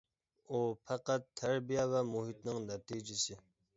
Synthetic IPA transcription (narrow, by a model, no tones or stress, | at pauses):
opʰaqat̪ʰːaɾbijavamuɦit̪̚nɪŋnat̪id͡ʒisi